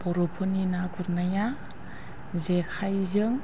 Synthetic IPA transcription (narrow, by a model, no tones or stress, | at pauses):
poɾopʰoninaɡuɾnaja | zekʰajzɯŋ